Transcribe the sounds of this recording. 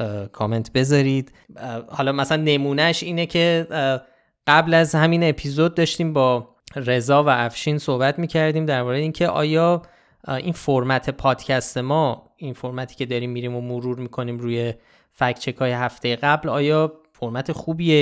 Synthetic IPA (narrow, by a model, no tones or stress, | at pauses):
kʰome̞nt̪ʰbe̞zɒɾiːd̪̥ | hɒlɒːmæsælænːe̞muːnæʃiːnecʰe̞ | ɢ̥æblæzhæmine̞pʰizod̪̚ːɒːʃt̪iːmbɒː | ɾe̞zɒːvææfʃiːnsohbæt̪ʰmiːcʰæɾd̪iːmd̪æɾbɒːɾeeincʰe̞ʔɒ̰ːjɒː | ʔinfoɾmæt̪ʰe̞pʰɒːd̪̥cʰæst̪e̞mɒ | infoɾmæt̪ʰi̥ːcʰe̞d̪ɒːɾiːmːiɾiːmomoɾuːɾmiːkʰo̞niːmɾuːje̞ | fækʰt͡ʃʰe̞kʰɒːjeɦæft̪e̞jeɣæblɒːjɒː | foɾmæt̪ʰe̞xuːbie